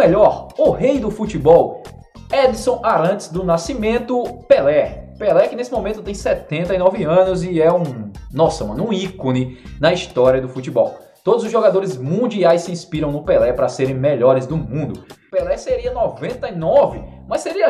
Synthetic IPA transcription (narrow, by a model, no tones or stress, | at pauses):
ɛʎɔɾʊɦejd̪ʊfut͡ʃibɔw | ɛd̪isõw̃aɾɐ̃t͡ʃ̪ɪ̥zd̪ʊnasimẽnt̪ʊpelɛpelɛkɪnesɪmõmẽnt̪ʊt̪ẽj̃sɛt̪ẽnt̪ɐɪnɔvɪɐ̃nʊzɪɛũnɔsɐmɐ̃nʊũikõnɪnɐist̪ɔɾiɐd̪ʊfut͡ʃibɔw | t̪od̪ʊzʊzʒoɡad̪oɾɪzmũd͡ʒiajssɪĩspiɾɐ̃w̃nʊpelɛpɾɐseɾẽj̃mɛʎɔɾɪzd̪ʊmũnd̪ʊpelɛseɾiɐnɔvẽnt̪ɐɪnɔvɪmɐseɾiɐ